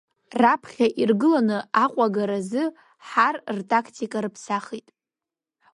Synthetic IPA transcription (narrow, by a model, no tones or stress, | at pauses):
rapʰχʲaʔirɡɨlanɨaqʷʼaɡaɾazɨ | ħarrtʼakʰtʰikʼaɾɨpʰsaχitʼ